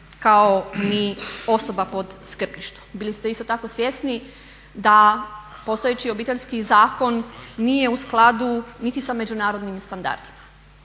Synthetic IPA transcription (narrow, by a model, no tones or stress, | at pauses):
kaonio̞so̞bapo̞d̪skr̩piʃt̪u̥bilist̪e̞ist̪o̞t̪ako̞sʋje̞sni | d̪apo̞st̪o̞jet͡ɕio̞biːt̪e̞ʎʲskizaːko̞nːije̞usklˠad̪unit̪isame̞d͡ʑunaːɾo̞d̪nimst̪and̪a̰ɾd̪ima